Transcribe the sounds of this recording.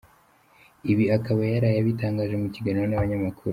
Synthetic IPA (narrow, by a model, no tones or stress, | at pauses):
iβiakaβajaɾajaβitaːŋɡaːʒemuciɡaniɾonaβaɲamakʰuɾu